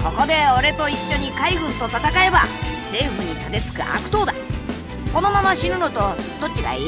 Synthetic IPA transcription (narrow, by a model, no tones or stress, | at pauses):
ko̞ko̞d̪e̞o̞ɾe̞t̪oiɕːo̞ɲ̟ikaiɡɯ̟̃nt̪o̞t̪at̪akae̞basẽ̞ːɸɯ̟ɲ̟it̪at̪e̞t͡sɨ̥kɯ̟ʔa̰kɯ̟̥t̪o̞ːd̪a | ko̞no̞mamaɕiɾɯ̟not̪o̞d̪̥o̞t͡ɕ̚ːiɡa̰i